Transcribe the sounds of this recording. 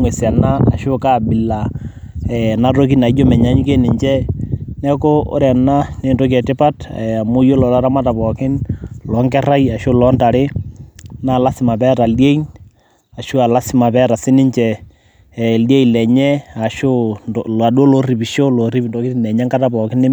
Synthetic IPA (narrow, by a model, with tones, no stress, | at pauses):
ŋwe˨sa˨na˦a˨ʃʊ˦ka˦˨bɪ˨la˨ | ɛ˨na˦to˦k̬i˦na˨i˦d͡ʒo˦mɛ˨ɲa˦ɲ˦ke˦nɪ˨ɲt͡ʃɛ˦nɛ˦ko˦o̰˦ɾɛ˨na˦ne˦˨nto˦k̬ɛ˨tɪ˦pa˦ta˨mʊ˦jo˦lɔ˨ta˦ɾa˦ma˦ta˨pɔ˨kɪ˦nlɔ˨˦ŋkɛ˦ra˦ja˨ʃʊ˦lɔ˨˦nta˨ɾɪ˦ | na˦˨la˦sɪ˨ma˨pɛ˦ta˨lje˦i˦n | a˨ʃu˦a˨la˦sɪ˦ma˨pɛ˦ɾa˨sɪ˦nɪ˦ɲt͡ʃɛ˨ | lje˦ilɛ˨ɲɛ˦a˨ʃo˦la˨do˦lo˦ri˨pi˨ʃo˦lo˨ri˦pi˨ndo˨˦kɪ˦tɪnɛ˨ɲɛ˦ŋka˦ta˨pɔ˨kɪ˦nɪ˦